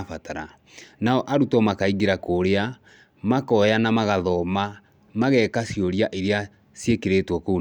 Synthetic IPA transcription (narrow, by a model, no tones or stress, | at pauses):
fataɾa | naɔʔaɾutɔmakaiɣeɾakoɾea | makɔjanamaɣaðɔma | maɣɛkasjoɾjaʔeɾea | sjekeɾetwɔkou